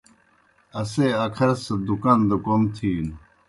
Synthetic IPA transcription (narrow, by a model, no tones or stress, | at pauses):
ɐseɐkʰɐɾsɐd̪ukand̪ukomt̪ʰiːn